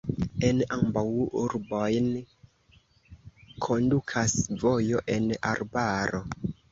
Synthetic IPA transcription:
enambawʔuɾbo̞jn | kʰo̞ndukʰasvojo̞ʔe̞na̰ɾbaɾo

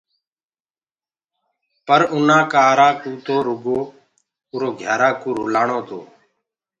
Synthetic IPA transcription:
pəɾʊnãːkaːɾaːkuːt̪oːɾʊɡoː | ʊɾoːɡʱjaːɾaːkuːɾʊlaːɳoːt̪o̰ː

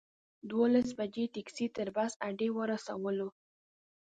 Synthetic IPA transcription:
d̪wolas̬bad͡ʒeʈiksit̪əɾbasaɖewəɾasa̰wəlo

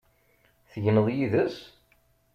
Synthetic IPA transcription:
θəʝənəðˤjiðəs

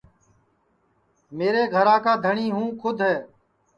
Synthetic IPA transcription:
meːɾeːɡʱəɾãːkaːd̪ʱəɳiːɦũːkʰʊd̪ʱɦɛː

